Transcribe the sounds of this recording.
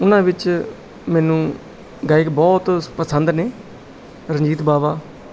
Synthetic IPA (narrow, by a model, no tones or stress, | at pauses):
ʊnãːbɪt͡ʃ | mɛːnũː | ɡaːɪkbɔːt̪pəsənd̪neː | ɾəɲd͡ʒiːt̪baːbaː